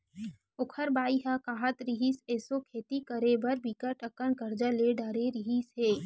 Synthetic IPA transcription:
ʊkʰəɾbaːiɦakaːɦət̪ɾiɦiseːsokʰeːt̪ikəɾebɐɾbiːkəʈəkːəɳkəɾd͡ʒaleɖaːɾeɾɪɦisɦeː

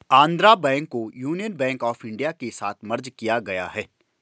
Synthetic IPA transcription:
ãːnd̪ɾabɛ̃ːŋkːojuːnijənbɛ̃ːŋkɔːfɪ̃ɳɖijakesa̰ːt̪ʰmɐɾd͡ʒkijaɡɐja̰ɦɛː

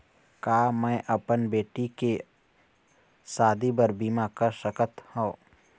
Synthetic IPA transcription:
kaːmɛ̃ːʔəpənbeːʈike | saːd̪ibəɾbiːmakəʃəkət̪hõː

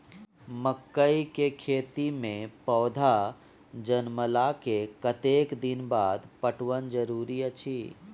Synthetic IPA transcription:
məkːəikekʰeːt̪imẽpɔːd̪ʱa | d͡ʒənməlakekət̪eːkd̪ɪnbaːd̪pəʈwənd͡ʒəɾuːɾiət͡ʃʰiː

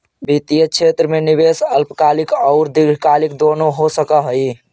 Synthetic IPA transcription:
bit̪ijət͡ʃʰet̪ɾəmeniβesəlpkalikɔʊɾd̪iɡɽ̤kalikd̪onoɦosəkəɦəj

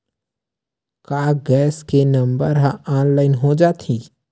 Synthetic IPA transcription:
kaːɡɛːskenə̃mbəɾɦãaːnlaːɪnɦod͡ʒaːt̪ʰiː

